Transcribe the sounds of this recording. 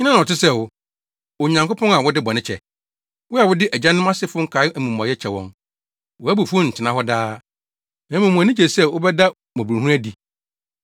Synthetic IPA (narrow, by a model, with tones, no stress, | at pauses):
ɲ˦nã˦nã˨ɔ˨tɪ˦sɛ˦˨wʊ˦ | o˨ɲã˨ŋkpʰɔ̃˦ŋa˨wʊ˦dɪ˦bɔ˨nɪ̃˦t͡ɕʰɛ̰˨ | wʊ˦a˨wʊ˦dɪ˦ʔæ˨d͡ʑã˦nʊ̃˦ma˦sɪ˦fʊ̃˦ŋ̩˦kʰa˨˦ɪ˦æ˨mũ˨m˨ã˨jɛ˦t͡ɕʰɛ˨wɔ̰̃˨n | wɔ˨æ˦bu˨fũ˦n̩˨tʰɪ˨nã˨˦ɦɔ˦daː˦ | nã˨˦mũ˨mũ˨a˨nĩ˦d͡ʑɛ˨sɛ˦wʊ˦bɛ˦da˦ | mɔ̃˨bɾɦũ˦ɾæ˦di˨